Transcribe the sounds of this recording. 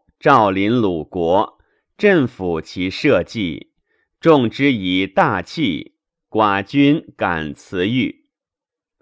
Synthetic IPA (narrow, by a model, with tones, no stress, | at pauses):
ʈ͡ʂɑ˥˩ʊli˧˥nlu˨˩kwɔ˧˥ | ʈ͡ʂə˥˩ŋfu˨˩t͡ɕʰi˧˥ʂɤ˥˧t͡ɕi˥˩ | ʈ͡ʂʊ˥˧ŋʈ͡ʂɻ̩˥i˨˩t̪a˥˧t͡ɕʰi˥˩ | kwa˨˩t͡ɕy˥nka̰˨˩nt͡sʰɹ̩˧˥y˥˩